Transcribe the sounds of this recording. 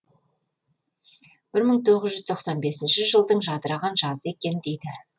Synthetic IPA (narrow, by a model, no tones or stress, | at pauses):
b̥ɪɾməɴt̪ʰo̞ʁəzʒʏzt̪ʰo̞qsɑnbe̞sɪnʃɪʒəlˠd̪əɴʒɑd̪əɾɑʁɑnʒɑzəe̞kʲe̞nɪd̪e̞jd̪ɪ